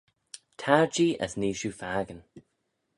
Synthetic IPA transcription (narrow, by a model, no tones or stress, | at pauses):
tʰaɹd͡ʒiːʔə̰sniːʃufaːɡən